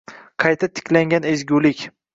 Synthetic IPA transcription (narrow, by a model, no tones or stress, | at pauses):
qʰɑjt̪ʰat̪ʰɪ̥kʲlaŋɡʲanezɡʲulɪkʲ